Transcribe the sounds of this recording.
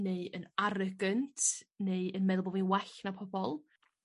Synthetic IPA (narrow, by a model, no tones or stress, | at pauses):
neɨənaɾəɡəntʰneɨənmɛðəlˠbɔvinwɛɬnapʰɔbɔlˠ